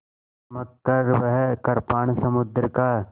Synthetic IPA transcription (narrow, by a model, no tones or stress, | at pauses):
mɐkːɐɾʋəɦkɐɾpaːɳsɐmʊd̪ɾkaːɾ